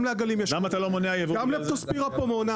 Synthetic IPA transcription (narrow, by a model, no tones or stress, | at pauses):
mleaɡalimjelamat̪alomoneajevɡamlet̪ospiʁapomeona